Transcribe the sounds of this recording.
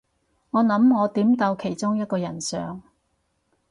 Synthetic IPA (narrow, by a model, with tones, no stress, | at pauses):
ŋɔː˨˧nɐ˨˥mŋɔː˨˧t̪iː˨˥mt̪ɐ˧wkʰe˨˩jt͡sʊ˥ŋjɐ˥t̚kɔː˧jɐ˨˩nsœː˨ŋ